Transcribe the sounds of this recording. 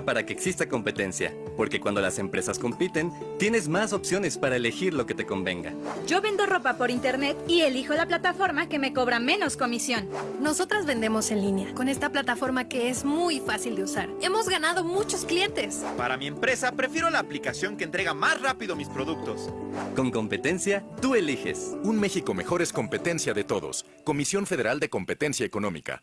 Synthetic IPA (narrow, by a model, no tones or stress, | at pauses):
paɾake̞ːksist̪ako̞mpe̞t̪e̞̰nsja̰ | po̞ɾke̞kwa̰nd̪o̞la̰se̞mpɾe̞sasko̞mpit̪e̞n | t̪je̞ne̞zmaso̞psjo̞ne̞spaɾaele̞xiɾlo̞ke̞t̪eko̞mbe̞̰ŋɡa̰d͡ʒo̞βe̞nd̪o̞ro̞papo̞ɾint̪e̞ɾne̞t̪ie̞lixo̞laplat̪afo̞ɾmake̞me̞ko̞βɾame̞no̞sko̞misjo̞nːo̞so̞t̪ɾazβe̞nd̪e̞mo̞se̞nlinjako̞ne̞st̪aplat̪afo̞ɾmake̞ezmujfasild̪eusaɾe̞mo̞zɣanað̞o̞mut͡ʃo̞sklje̞nt̪e̞spaɾamiempɾe̞sapɾe̞fje̞ɾo̞laːplikasjo̞ŋkeːnt̪ɾe̞ɣamasrapiðomispɾo̞ðuk̚t̪o̞sko̞ŋko̞mpe̞t̪e̞nsjat̪uelixḛsunmexiko̞me̞xo̞ɾesko̞mpe̞t̪e̞nsjaðet̪o̞̰ðo̞̰s | ko̞misjo̞ɱfe̞ð̞e̞ɾald̪e̞ko̞mpe̞t̪e̞nsjaeko̞nõ̞̰mḭka̰